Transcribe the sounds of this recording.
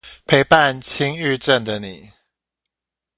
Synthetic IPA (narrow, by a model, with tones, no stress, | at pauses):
pʰe˧˦ɪpa˥˨nt͡ɕʰi˦ŋy˥˧ʈ͡ʂə˥˨nd̪ə˨ni˨˩˦